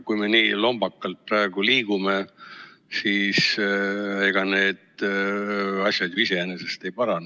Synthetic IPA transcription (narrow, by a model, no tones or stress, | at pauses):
kujme̞niːlo̞mb̥ɑkːˑɑlt̪̚pɾɑe̞ɡ̥uliːɡ̥ume̞ | siːs | e̞ɡ̥ɑne̞ːd̪̥ | ɑsʲjɑd̪jise̞enese̞st̪e̞jpɑɾɑn